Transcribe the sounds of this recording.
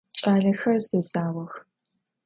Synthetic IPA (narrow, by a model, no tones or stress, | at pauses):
t͡ʃʼaːɮɐxɐrzezaːwɐx